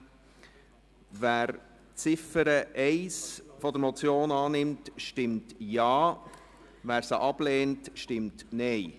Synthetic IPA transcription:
væːɾ | t͡sɪfəɾəʔɛɪsfɔd̪əɾmɔt͡sjoːnɑːnɪmtʃtɪmtjɑː | væːɾsəʔɑb̥leːntʃtɪmtnɛɪ

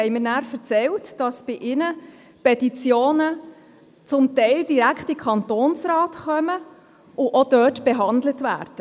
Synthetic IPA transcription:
hɛɪmɪɾnæːɾfəɾt͡sɛltd̥ɑsb̥ɪʔɪnə | pɛtit͡sjoːnə | t͡sʊmtɛɪldiɾækχtikʰχɑntoːnsɾɑːtχœmə | ʔʊʔod̥œːtb̥eɦɑndlətvæ̰ːɾd̥ə

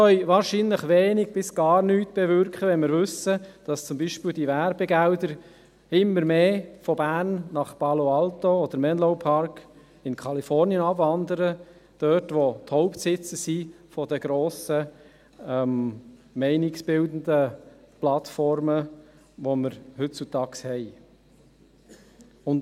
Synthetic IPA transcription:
œʏʋɑːɾʃinləχʋeːnɪɡ̥̚b̥ɪsɡ̥ɑːɾnyːtb̥ɛvʏɾkχəʋɛnmɪɾvʏsəd̥ɑst͡sʊmbiːʃpɪːld̥ivæɾbɛɡældəɾ | ɪmːəɾmeːfɔbæːɾnːɑχpɑloɑlt̪oɔd̥̪əɾmɛnlɔʊpʰɑɾk | ɪnkʰɑlifɔɾniənɑbvɑnd̪əɾə | d̥œːtʋothɔʊpt̪sɪt͡səsi | fɔdəɡ̥ɾoːsə | ɛmmɛɪnɪksb̥ɪld̪ən̩də | plɑt̪fɔɾmə | ʋoməɾhʏt͡sut̪ɑːkshɛɪ | ʊnt

